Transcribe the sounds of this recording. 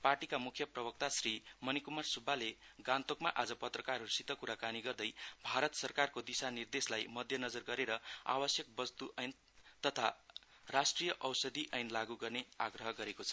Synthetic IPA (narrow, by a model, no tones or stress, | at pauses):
parʈikamukʰjʌprʌbʌk̚t̪asrimʌnikumarsubʱaleɡãnt̪okmaʔad͡zʌpʌt̪rʌkaruusit̪ːʌkuɾakaniɡʌrd̪ʌjbʱaɾʌt̪sʌrkarkod̪isanird̪eslajmʌd̪ʱjʌnʌd͡zʌrɡʌɾeɾʌa̰wʌsjʌk̚bʌst̪uʔʌjn | t̪ʌt̪ʰa | rasʈrijʌʔʌwsʌd̪iʔʌjnlaɡuɡʌrneaɡrʌɦʌɡʌɾekot͡sʰʌ̥